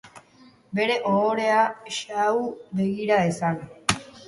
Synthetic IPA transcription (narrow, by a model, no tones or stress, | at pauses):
be̞ɾe̞ʔoːɾe̞aʃawbeɣiɾaesan